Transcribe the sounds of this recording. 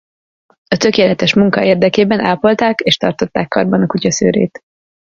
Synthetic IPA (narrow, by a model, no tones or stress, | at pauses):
ɒt̪ø̞keːlɛt̪ɛʃmuŋkɒeːrd̪ɛkeːbɛnaːlpo̞lt̪aːkeːʃt̪ɒrt̪o̞t̪ːaːkːɒrbɒnɒkucɒsø̰ːɾḛːt̪